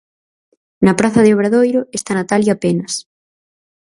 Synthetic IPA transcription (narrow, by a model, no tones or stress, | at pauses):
nɐpɾaθɐðeoβɾaðojɾʊest̪anat̪aljapenɐs